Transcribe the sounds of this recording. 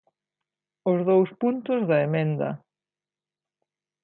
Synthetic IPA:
ʊzðowspunt̪ʊzðɐemẽnd̪ɐ̰

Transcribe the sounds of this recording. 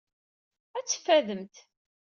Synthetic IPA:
æt͡sːə̥fːæðəmt̪

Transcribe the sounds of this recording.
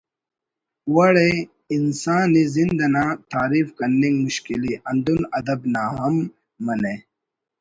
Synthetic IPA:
wɐɽe | insaːnizind̪ɐnãːt̪ʰaːɾiːfkɐɾnːiŋmʊɕkiliʔɐɳɖ̪unɐd̪ɐbnaːɦɐmː | ɐneː

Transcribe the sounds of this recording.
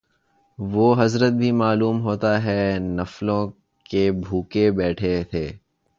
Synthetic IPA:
ʋoːɦɐzɾət̪̚bʱimaːluːmɦoːt̪aɦɛnɐflõ | kebʱuːkebɛːʈʰet̪ʰeː

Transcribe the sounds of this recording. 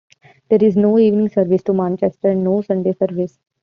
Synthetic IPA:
d̪̥eːɾɪznoːiːʋnɪ̃ŋsəɾʋɪsʈumãːnt͡ʃɛsʈəɾɛ̃ɳɖnoːsʌ̃ɳɖeːsəɾʋɪs

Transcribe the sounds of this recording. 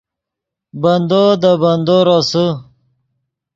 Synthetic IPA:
bɐnd̪od̪əbɐnd̪oɾosə

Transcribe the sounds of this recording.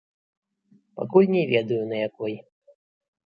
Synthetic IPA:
pa̰kulʲnʲɛvʲɛd̪ɐjunɐjakɔj

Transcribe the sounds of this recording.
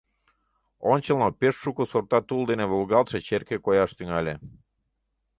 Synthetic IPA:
onʲt͡ɕəlnopeʃːukosort̪ɑt̪ulˠd̪eneβolɣɑlt̪ʃet͡ɕerkekojɑʃt̪yŋɑlʲe

